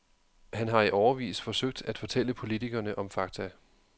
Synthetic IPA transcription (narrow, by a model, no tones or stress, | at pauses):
hænɦɑ̈iʔɒʊɐʋḭːsfɒ̽søɡ̥̚d̥æd̥fɒ̽t͡sʰel̰əpʰo̝lit͡sʰiɡ̥ɐnəʔɒ̽mfɑ̈ɡ̥̚t͡sʰæ